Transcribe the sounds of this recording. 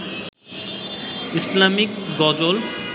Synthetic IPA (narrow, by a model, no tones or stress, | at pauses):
islamikɡɔd͡ʒol